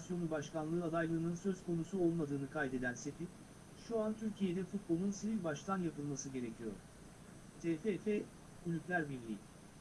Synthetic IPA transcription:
sjo̞nubaʃkanlˠɯːad̪ajlˠɯːnɯnsøz̥kʰo̞nusuo̞lˠmad̪ɯːnɯkʰajd̪e̞d̪ænse̞t̪in | ʃuant̪ʰyɾcʰije̞d̪ɛfut̪̚bo̞lˠunsivilʲbaʃt̪ʰanjapɯlˠmasɯɟe̞ɾe̞cʰijo̰ɾ̥ | t̪ʰefefɛ | kulʲyplʲæɾbiɾlʲḭːḭm

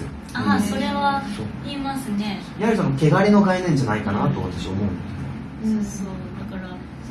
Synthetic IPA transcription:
asoɾe̞βasoːiːmasɨne̞ | ihaɾʲisonoke̞ɡaɾʲeno̞ɡainẽ̞ɲ̟d͡ʑanaikanat̪o̞βat̪aɕiaomo̞ɯ̟̃nd̪es | sosoːd̪akaɾa

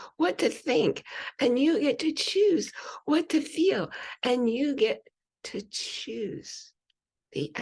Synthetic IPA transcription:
wʌtʰɨθɪ̃ŋkʔɨ̃njɨɡɛtʰɨt͡ʃʰʉzwʌtʰɨfilˠʔɨ̃njɨɡɛtʰ | ɨt͡ʃʉz̥ | ðḭʔ

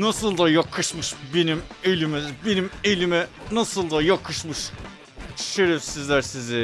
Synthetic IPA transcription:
nasɯlˠd̪ajakʰɯʃmɯʃbenimelʲimɛbenimelʲimɛnasɯlˠd̪ajakʰɯʃmɯʃ | ʃeɾɛfsizlʲæɾsizɪ

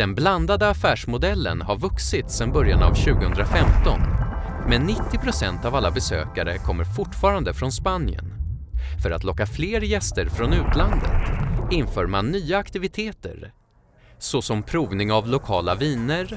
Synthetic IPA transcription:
d̪̥ɛnbland̪ad̪əafæːʂmʊd̪ɛlːə̰nɦaɾvɵksɪt̪sɛnbœɾjana̰vɕʉ̟ːɡəhɵnd̪ɾafɛmt̪ɔ̰nmɛnːɪt̪ːɪpʰɾʊsɛnt̪avalːabɛsø̰ːkaɾə̰kʰɔmːəɾfʊʈːfɑːɾand̪əfɾɔnspanjə̰n | fœɾat̪lɔkːafleːɾjɛst̪əɾfɾɔnʉ̟ːt̪land̪ə̰t̪ɪnfœːɾmanːyːaakt̪ɪvɪt̪ʰeːt̪ə̰ɾ | sɔsɔmpʰɾuːvnɪŋavlʊkʰɑːlaviːnəɾ

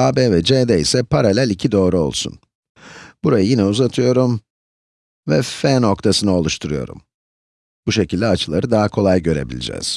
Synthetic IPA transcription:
aːbeːvɛd͡ʒed̪ɛisɛpʰaɾalʲælʲicʰid̪o̞ːɾuo̞̰lˠsṵn | b̥uɾajɯjinɛuzat̪ʰɯjo̞ɾum | vɛfɛnok̚t̪ʰasɯnɯo̞lˠuʃt̪ʰuɾujo̞̰ɾṵm | b̥uʃe̞cʰilʲd̪ɛat͡ʃʰɯlˠaɾɯd̪aɦakʰo̞lˠajɟø̞ɾe̞̰bḭlʲḭd͡ʒɛ̰ːz̥

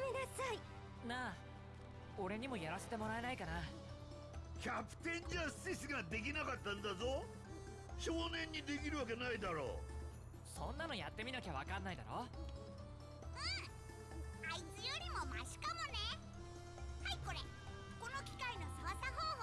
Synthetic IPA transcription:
mʲenasai | na | o̞ɾe̞ɲ̟imo̞jaɾase̞t̪emo̞ɾae̞naikana | kʲapɯ̟̥t̪ẽ̞ɲd͡ʑasɨis̬iɡad̪e̞k̬ʲinakat̪ːãnd̪azo̞ | ɕo̞ːnẽ̞ɲ̟ːid̪e̞k̬ʲiɾɯ̟βak̬e̞naid̪aɾo̰ː | sõ̞nːano̞jat̪ːe̞mʲinakʲaβakãnːaid̪aɾo̞ | ɯ̃ | ait͡sɨjoɾʲimo̞maʑi̥kamo̞ne | haiko̞ɾe | ko̞nokʲi̥kaino̞saβasaɦoː

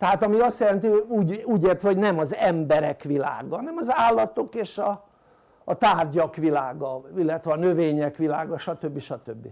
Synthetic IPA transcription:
t̪ɛɦaːt̪ɒmiɒst̪jɛlɛnt̪iouːɟuːɟeːrt̪ʋɛɦo̞ɟnɛmɒzɛmbɛɾɛkʋila̰ːɡɒnɛmɒzaːlːɒt̪o̞keːʃɒː | t̪aːrɟɒkʋilaːɡɒilːɛt̪ʋɛɒnøveːɲɛkʋilaːɡɒʃɒt̪øbːiʃɒt̪øbːi

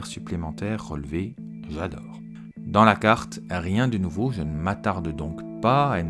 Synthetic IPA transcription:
ɛʁsyplemɑ̃t̪ɛʁːə̰lve | ʒad̪ɔːʁ | d̪ɑ̃lakaʁt̪ | ʁjɛ̃d̪ənuvoʒənəmat̪aʁd̪d̪ɔ̃k | paan

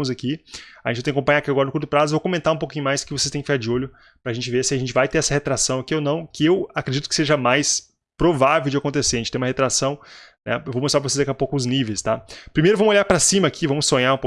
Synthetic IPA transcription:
mʊzakiaʒẽt͡ʃɪt̪ẽkõpɐ̃jɲad̪ɐkiaɡɔɾɐnʊkuɾt̪ʊpɾazʊevokomẽnt̪aɾũpokĩɲʊmajskɪvosest̪ẽkɪfɪkaɾd͡ʒɪoʎʊ | pɾɐaʒẽnt͡ʃɪveɾsɪaɐʒẽnt͡ʃɪvajt̪eɾɛsɐhet̪ɾasɐ̃w̃akionɐ̃w̃kɪewakɾed͡ʒit̪ʊ̥kɪ̥seʒɐmajs | pɾovavewd͡ʒɪakõnt̪eseɾɐẽt͡ʃɪẽũmɐɦet̪ɾasɐ̃w̃nɛ̰ewvomost̪apɾɐvosezd̪akɛapowkʊʊznivejst̪apɾimejɾʊvɐ̃mʊzoʎaɾpɾɐsĩmɐːkʰivɐ̃mʊsːõɲaɾũpo

